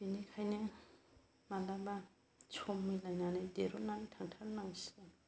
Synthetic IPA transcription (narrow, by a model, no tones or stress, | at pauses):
binikʰajnɯ | malaba | t͡ʃʰɔmːilajnanɯdeɾonanitʰaŋtʰaɾnaŋsi̥ɡan